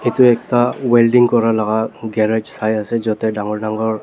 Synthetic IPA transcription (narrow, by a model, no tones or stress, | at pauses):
etuɛk̚tawɛldiŋkɔɹalaɡaɡɛɹed͡ʒsajasɛzɔtɛdaŋɔɹdaŋɡɔɹ